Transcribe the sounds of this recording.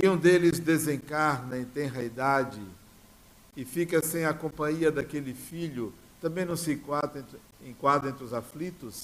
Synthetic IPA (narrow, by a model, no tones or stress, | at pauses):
ɪũd̪elɪzd̪ezẽkaɾnɐĩt̪ẽj̃ɦajd̪ad͡ʒɪ | ɪfikɐsẽj̃ɐkõpɐ̃ɲiɐd̪akelɪfiʎʊ | t̪ɐ̃mbẽj̃nɐ̃w̃sɪkã | ẽkwad̪ɾẽnt̪ɾɪʊzaflit̪ʊs